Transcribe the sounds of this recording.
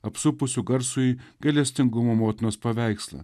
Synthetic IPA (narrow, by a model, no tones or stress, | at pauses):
ɐpsʊpʊsʲʊɡɐɾsʊiɡ̥ɐlʲɛsʲt̪ʲɪŋɡʊmoːmoːt̪ʲɪnoːspɐʋʲæˑɪkslˠɐ̰